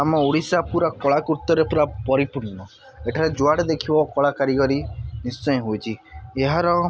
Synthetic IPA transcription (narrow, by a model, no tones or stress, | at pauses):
amɔuɽisapuɾakɔɭakuɾt̪ːɔɾepuɾapɔɾipuɾnɔ | eʈʰaɾed͡ʒuaɽd̪ekʰibɔkɔɭakaɾikɔɾinist͡ʃɔjɔɦojt͡ʃʰieɦaɾɔ